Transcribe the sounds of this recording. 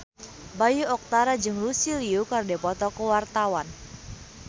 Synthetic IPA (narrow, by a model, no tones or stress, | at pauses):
bajuɔk̚t̪aɾad͡ʒɨŋrusiliukardɛpɔt̪ɔkəwart̪awan